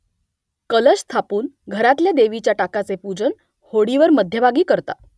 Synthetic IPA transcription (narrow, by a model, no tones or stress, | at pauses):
kələst̪ʰapuːnɡʱəɾat̪ljad̪eʋit͡ɕjaʈakat͡sepud͡zən | hoɽiʋəɾməd̪ʱjəbaɡiːkəɾt̪a̰